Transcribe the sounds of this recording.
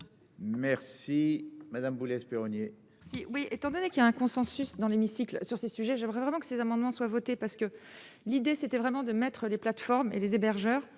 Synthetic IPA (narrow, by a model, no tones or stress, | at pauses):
mɛʁsimad̪ambulɛspeʁɔnje | siwiet̪ɑ̃d̪ɔnekiljaɛ̃kɔ̃sɑ̃sysd̪ɑ̃lemisiklsyʁsesyʒɛʒɛmʁɛvʁɛmɑ̃kə̥sezamɑ̃d̪mɑ̃swavɔt̪epaʁsə̥kəlid̪eset̪ɛvʁɛmɑ̃d̪əmɛt̪χəleplat̪fɔʁmḛlezebɛʁʒœːʁ